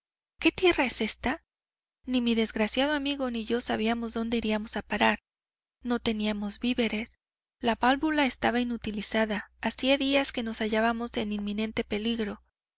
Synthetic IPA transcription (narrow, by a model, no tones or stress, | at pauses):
ke̞t̪je̞rae̞se̞st̪a | nimiðe̞zɣɾasjað̞o̞amiɣo̞niʝo̞saβ̞iamo̞zðo̞nd̪e̞iɾiamo̞sapaɾaɾ | no̞t̪e̞niamo̞zbiβe̞ɾe̞s | laβalβulae̞st̪aβainut̪ilisaðaːsiaðiaske̞no̞saʝaβamo̞se̞ninmĩne̞nt̪e̞pe̞liɣɾo̞